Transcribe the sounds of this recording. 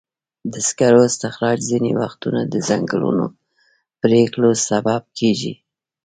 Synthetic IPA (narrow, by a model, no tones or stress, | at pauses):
d̪əskaɾoɪst̪ɪxɾɑd͡ʒzinḛwaxt̪unad̪əzaŋɡəlṵno̰ | pɾeklosabab̚kʰeʒḭ